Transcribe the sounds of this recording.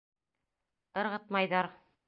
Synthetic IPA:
ɤ̆ɾʁɤt̪̚mɑjðɑɾ

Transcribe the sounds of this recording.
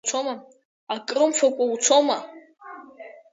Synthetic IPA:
t͡sʷʰoma | akʼrɨmfʷʰakʷʼawt͡sʷʰoma

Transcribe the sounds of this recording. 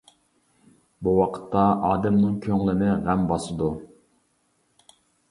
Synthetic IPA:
buwɑqʰə̥t̪ʰːɑʔɑːd̪ɛmnɨŋkʲʰøŋlˠɪnɪʁæmbɑsɨd̪u

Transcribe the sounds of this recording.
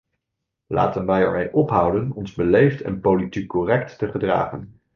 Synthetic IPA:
la̰ːtənʋɛjɛ̰ɹmejʔɔpɦʌwdənɔnzbəlejftʰɛ̰npowlitikːɔrɛk̚tːəχədra̰ːχən

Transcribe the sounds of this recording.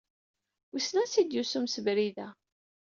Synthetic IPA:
isnæsid̪jusumsəvɾiðæ

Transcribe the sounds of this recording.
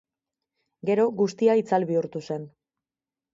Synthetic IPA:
ɡe̞ɾo̞ɡust̪iait͡salβiuɾt̪use̞n

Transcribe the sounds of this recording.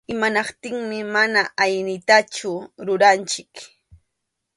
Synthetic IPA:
ɪmanɑqt̪ɪŋmɪmanaʔajnɪt̪at͡ʃʊɾʊɾant͡ʃɪk

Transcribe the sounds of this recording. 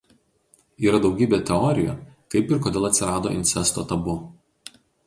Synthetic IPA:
iːɾɐd̪ɒʊɡʲiːbʲeːt̪ʲɛɔɾʲɪjo̰kɐɪpɪɾkoːd̪ʲeːlˠɐt̪ʲsʲɪɾɑːd̪o̰ːʔɪ̰nʲsʲɛst̪oːt̪ɐbʊ

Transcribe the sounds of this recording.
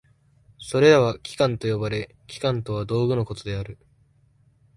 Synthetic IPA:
so̞ɾe̞ɾaβakʲi̥kãnt̪o̞jo̞baɾe̞ | kʲi̥kãnt̪o̞β̞ad̪o̞ːɡɯ̟no̞ko̞t̪o̞d̪e̞aɾɯ̟

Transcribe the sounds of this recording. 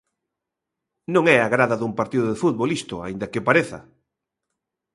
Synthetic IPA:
nõŋɛaɣɾaðɐðumpaɾt̪iðʊðɪfuð̚βolist̪ʊa̰ind̪ɐkɪpaɾeθɐ̰

